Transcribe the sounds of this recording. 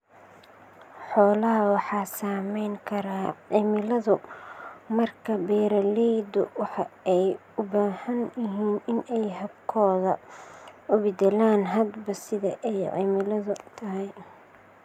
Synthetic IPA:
ħɔːlɐɦɐwɑħɑːsaːmɛjŋkʰɐɾaːʕɪmɪlɐðʊ | mɐrkʰɐbɛːɾɐlɛd̪ʊ̰wɑħɑɛj | ʊbaːhɐnjɪɦiːnɪnɛjɦɐb̚kʰɔːðɐ | ʊbɪd̪ɛlaːnɦɐd̪bɐsɪðɐʔɛjʕɪ̰mɪlɐðʊt̪ʰɐɦɛj

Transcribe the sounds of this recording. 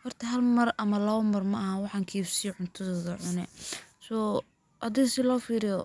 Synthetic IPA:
hɔrt̪ʰɐɦɐlmɐrɐmɐlɐβɐmɐrmɐhaːnwɑħɑːŋkʰiːfsijʕʊnt̪ʰɐðɔːðɐʕʊnɛsɔː | ʔɐðɪsɪlɔːfiːɾɪjɔ

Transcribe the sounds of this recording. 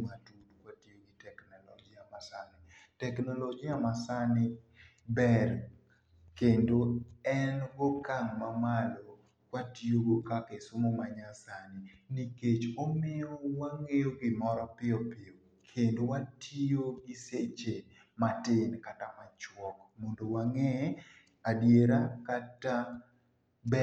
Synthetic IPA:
matudkwatioɡɪtɛknɔlɔɡɪamasanɪ | tɛknɔlɔɡɪamasanɪ | bɛr | kendoɛnɡokaŋːamalo | kwatioɡokakesomomaɲasanɪniket͡ʃomɪɔwaŋejoɡɪmɔɾɔpɪɔpɪo | kʰendowatioɡɪset͡ʃe | matɪnkatamat͡ʃwɔkmondowaŋe | adjeɾakata | bɛ

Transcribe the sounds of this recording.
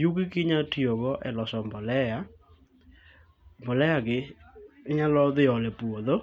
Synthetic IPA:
jukikɪɲatiɔɣɔʔɛlɔsɔmbɔlɛja | mbɔlɛjakɪː | ɲalɔðɪɔlɛpuoðo

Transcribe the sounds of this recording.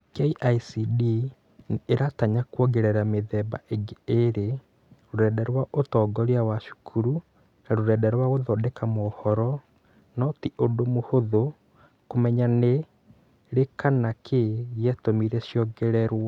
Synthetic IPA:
kɛiʔaisidi | neɾataɲakwoɡeɾɛɾameðɛbaʔeɡeeɾe | ɾoɾɛːdɛɾwaʔotɔɡɔɾiawaʃu̥kʰuɾu | naɾoɾɛːdɛɾwaɣoðɔdɛkamɔːhɔɾɔ | nɔtiʔodomohoðo | komɛɲane | ɾekanakʰeɣjɛtomiɾɛʃjɔɡɛɾɛɾwa

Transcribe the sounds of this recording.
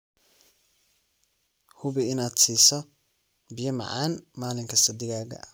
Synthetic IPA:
hʊβɪɪnaːd̪siːsɔ | bɪjɐmɑ̰ʕa̰ːnmaːlɪŋkʰɐsɐd̪ɪɣaːɣɐ̰

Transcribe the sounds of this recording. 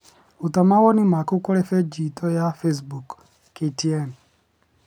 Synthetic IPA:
utamawɔnimakukɔɾɛfed͡ʒitʰɔjafes̬buk | ketiɛm

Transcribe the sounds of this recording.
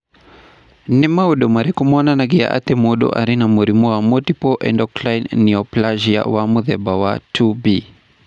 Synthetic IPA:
nimauɗɔmaɾikumɔnanaɡia̰ʔa̰t̪ɛmuɗɔ̰ʔa̰ɾinamuɾimuamɔtipɔʔɛ̰ndɔklajnniɔplaʒia̰wamuðɛbawatʰubi

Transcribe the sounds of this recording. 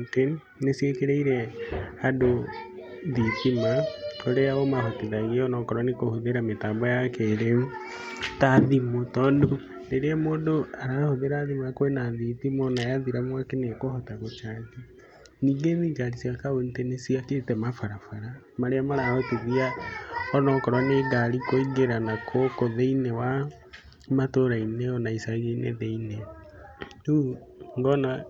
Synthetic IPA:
te | nesiekeɾeiɾɛado | ðitimaoɾeaβɔmahoteðaɣeɔnɔkɔɾɔnikohoðeɾametaːmbɔjakeɾe | taðimotɔːndo | neɾamoːdoaɾahoðeɾaðimakwenaðitimonajaðiɾamwakenekohotaɣot͡ʃati | niɡeniːd͡ʒaɾisiakaβonitɛnesiaketɛmafaɾafaɾa | maɾeamaɾaɔteðiaɔnɔkɔɾwaneːɡaɾikoiɡeɾanakʰokoðeinewa | matoɾaineɔnaisaɣenḛðeine | u | ŋɡɔna

